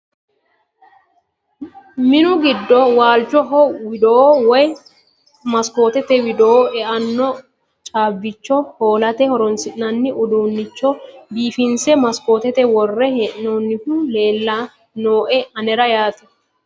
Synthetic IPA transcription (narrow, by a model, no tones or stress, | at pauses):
mɪnʊɡɪd̪ːɔwaːlt͡ʃːɔɦɔwɪd̪oːwɔj | mɐsko̞ːt̪ɛt̪ɛwɪd̪oʔɛʔɐnːɔ | t͡ʃʼaːbːɪt͡ʃːɔhoːlɐt̪ɛhɔɾɔnsɪʔnɐnːɪʔʊd̪uːnːɪt͡ʃːɔbiːfɪnsɛmɐskoːt̪ɛt̪ɛwɔrːɛhɛʔnoːnːɪhule̞ːlːa | noːʔɛɐnɛɾɐjaːt̪ɛ̥